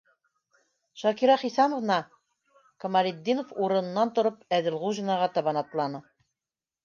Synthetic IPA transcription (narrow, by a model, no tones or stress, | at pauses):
ʃɑkiɾɑχisɑnŏvnɑ | kŏmɑlʲed̪ʲːinofuɾɤ̆nɤ̆nːɑnt̪ŏɾɤpæðɘ̆lˠʁuʒinɑʁɑt̪ɑβɑnɑt̪lˠɑnɤ